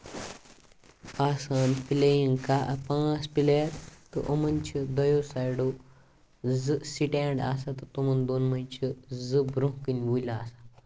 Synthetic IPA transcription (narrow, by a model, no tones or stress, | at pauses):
asanplejiŋɡkaʔpãspileɾt̪ə̰ʔəmənt͡ɕəd̪əjosajɽo | d͡zɨsiʈeɳɖa̰sat̪ət̪umənd̪onməjt͡ɕəd͡zɨbɾõkinʋujla̰ːsa